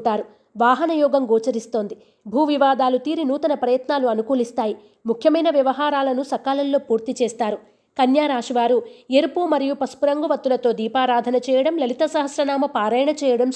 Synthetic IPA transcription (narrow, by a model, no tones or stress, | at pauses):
ʈaːɾu | ʋaːɦɐnɐjɔːɡɐmɡoːt͡ʃɐɾist̪o̞ːnd̪i | bʱuːʋiʋaːd̪aːlut̪iːɾinuːt̪ɐnɐpɾɐjɐt̪naːluɐnukuːlist̪aːji | mukʰjɐmɐjnɐʋjɐʋɐɦaːɾaːlɐnusɐkaːlɐlːo̞ːpuːɾt̪it͡ʃɛːst̪aːɾu | kɐnjaːɾaːʂʋaːɾueɾpumɐɾijupɐspuɾɐŋɡɐʋɐt̪ːulɐt̪o̞ːd̪iːpaːɾaːd̪ʱɐnɐt͡ʃɛːjɐɽɐmlɐlit̪ɐsɐɦɐsɾɐnaːmɐpaːɾɐjɐɳɐt͡ʃɛːjɐɽɐm